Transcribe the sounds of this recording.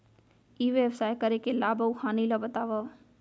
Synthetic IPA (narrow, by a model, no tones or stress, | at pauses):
iʋebsaːjkəɾekelabəwhaniləbət̪aʋə